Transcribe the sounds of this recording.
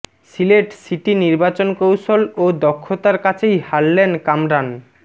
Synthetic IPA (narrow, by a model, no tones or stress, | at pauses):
sileʈsiʈiniɾbat͡ɕonkowʃolod̪ɔkʰːot̪aɾkat͡ɕʰejhalːenkamɾan